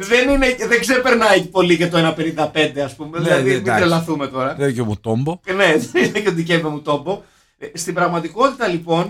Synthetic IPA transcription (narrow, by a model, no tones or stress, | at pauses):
ðe̞nineðeɡsepe̞ɾnɐecipo̞licet̪oenɐpe̞nind̪ɐpe̞nd̪e̞ɐspume̞ðilɐðimit̪ɾelɐθume̞t̪o̞ɾɐecomut̪ombone̞eineceod̪icevemut̪o̞mbo̞ | st̪ibɾɐɣmɐt̪iko̞t̪it̪ɐlipo̞n